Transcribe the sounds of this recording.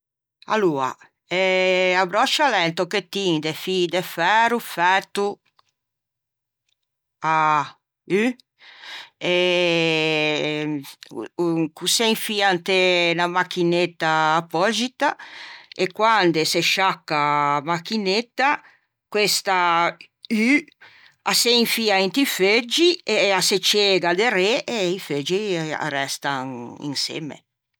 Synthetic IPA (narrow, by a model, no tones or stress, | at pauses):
a̰lua̰ | ɛabɾɔt͡ʃalɛnt̪oket̪ind̪efid̪efɛːɾufɛt̪u | a | y | e | kuseŋfiant̪enamakinet̪ːaːpɔd͡ʒit̪aekwand̪eseʃakːamakːinet̪ːa | kwest̪a | y | aseiɱfiaent̪ifed͡ʒieaset͡ʃeɡad̪eɾeʔeifed͡ʒia̰rɛst̪aŋḭŋsḛmḛ